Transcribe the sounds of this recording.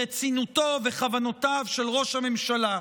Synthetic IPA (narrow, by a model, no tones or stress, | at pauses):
et͡sinuto̞veχavano̞tavʃelʁo̞ʃhamemʃala